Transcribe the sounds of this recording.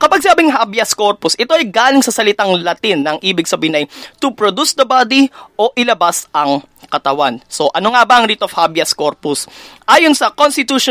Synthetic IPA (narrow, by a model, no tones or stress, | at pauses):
kɐpɐɡ̚sɪaːbɪŋɦabjɐsko̞ɹposʔɪt̪o̞ʔɐjɡaːlɪŋsɐsɐlɪt̪aŋlɐt̪inːɐŋʔiːbɪɡ̚sɐbiːɪnʔɐjt̪ʊpɾod̪usd̪ɐbaːd̪iʔo̞ʔɪlɐbasɐŋ | kɐt̪ɐwanso̞ʔɐnoŋabɐʔɐŋɾit̪ofhabjɐskoɹpɔsʔaːjonsɐkonst̪ɪt̪uʃ